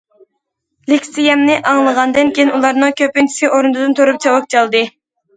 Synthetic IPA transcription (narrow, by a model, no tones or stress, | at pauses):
lɪkʲsijɛmnɪʔɑŋlˠəʁɑnd̪ɨŋkʲejinulˠɑɾnɨŋkʲøpent͡ʃʰi̥sɪʔoɾund̪ɨd̪ɨnt̪ʰoɾup̚t͡ʃʰɑwɑk̚t͡ʃʰɑlˠd̪ɨ